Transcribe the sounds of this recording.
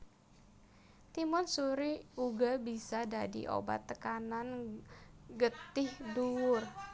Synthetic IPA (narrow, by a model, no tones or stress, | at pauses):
t̪imɔnsuɾiuɡabisadadḭʔo̰ba̰t̪ːəkanan | ɡət̪ɪhduwʊr